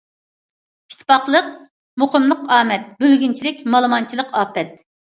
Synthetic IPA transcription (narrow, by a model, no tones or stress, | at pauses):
pʰi̥t̪ʰpʰɑχlˠəq | moqəmlˠəqɑːmɛt̪̚bølɡʲynt͡ʃʰilɪkʲmɑlˠɨmɑnt͡ʃʰilˠəqɑːpɛt̪̚